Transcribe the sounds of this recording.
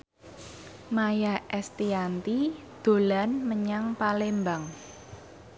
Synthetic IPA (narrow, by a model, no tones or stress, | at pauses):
majaʔɛst̪iant̪i | d̪̥o̤lanməɲaŋpalembaŋ